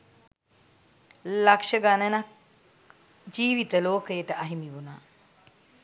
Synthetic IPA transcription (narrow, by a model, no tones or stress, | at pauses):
lakʂəɡanənak̚ | d͡ʒiːʋit̪əloːkəjəʈəʔaɦimiʋunaː